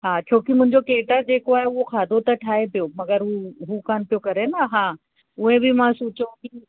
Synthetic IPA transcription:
ɦaːt͡ɕʰoːkimʊ̃ɦɪɲd͡ʑokeːʈəd͡ʑeːkoaːɦeʊɦoxʰaːd̪ʱot̪ɐʈʰaːepijomɐɡəɾɦuɦukaːnpijokɐɾenaɦãː | ʊɦẽbʱimãsuːt͡ɕõki

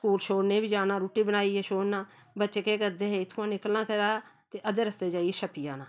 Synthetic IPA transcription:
skuːlʃoːɽneːbiːd͡ʒaːnãːɾuːʈiːbənaːiːɛːʃoːɽnãː | bətːʃeːkeːkəɾd̪eːɦeːɪt̪ʰːũãːnɪkəlnaːkəɾaː | t̪eːʔəd̪eːɾəst̪eːd͡ʒaːiːʃəpijã̰ːnãː

